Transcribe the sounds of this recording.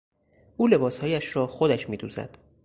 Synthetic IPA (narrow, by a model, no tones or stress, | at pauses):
ʔuːle̞bɒːshɒːjæʃɾɒːxod̪æʃmiːd̪ṵːzæ̰d̪̥